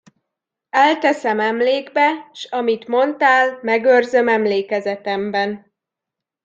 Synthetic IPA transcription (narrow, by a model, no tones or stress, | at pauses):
ɛlt̪ɛsɛmɛmleːɡbɛʃɒmit̪mo̞nt̪aːlmɛɡørzømɛmleːkɛzɛt̪ɛmbɛn